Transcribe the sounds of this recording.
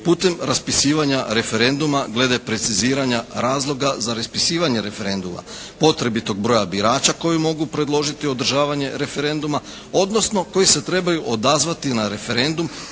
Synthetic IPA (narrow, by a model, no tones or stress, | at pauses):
puːt̪e̞mɾaspisiːʋaɲaɾe̞fe̞ɾe̞nd̪umaɡle̞d̪e̞pɾe̞t̪siziːɾaɲaɾaːzlˠo̞ɡazaɾaspisiːʋaɲe̞ɾe̞fe̞ɾe̞nd̪uma̰ | po̞t̪ɾe̞bit̪o̞ɡ̚bɾo̞jabiɾaːt͡ɕako̞jumo̞ɡupɾe̞d̪lˠo̞ʒit̪io̞d̪r̩ʒaːʋaɲe̞ɾe̞fe̞ɾe̞nd̪uma | o̞d̪no̞sno̞ko̞jise̞t̪ɾe̞bajuʔod̪azʋat̪inaɾe̞fe̞ɾe̞nd̪um